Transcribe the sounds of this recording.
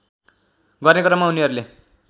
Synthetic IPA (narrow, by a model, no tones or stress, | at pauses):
ɡʌrnekʌɾʌmaɦuniʌɾule